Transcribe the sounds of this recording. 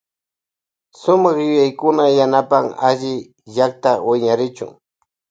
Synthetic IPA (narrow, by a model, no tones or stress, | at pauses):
sʊmɑχjʊjajkʊnajanapaŋaʒɪ | ʒak̚t̪awɪɲaɾɪt͡ʃʊ̰ŋ